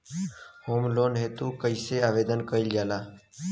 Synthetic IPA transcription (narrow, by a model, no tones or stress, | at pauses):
hoːmloːnɦeːt̪uːkəɪseːaːʋeːd̪ənkəild͡ʒaːlaː